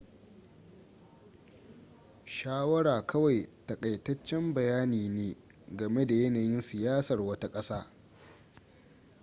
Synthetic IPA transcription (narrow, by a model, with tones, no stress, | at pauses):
ʃaː˦wɐ˦ɽaː˨kʰɐ˦wa˨jtɐ˨kʼɐ˨jtɐ˦t͡ʃːɛ˦mbɐ˨jaː˦niː˨neː˦ | ɡɐ˨me˦da˨jɐ˦naː˨jɪ˦nsɪ˨jaː˦sɐ˨rwɐ˦ta˦kʼɐ˦saː˦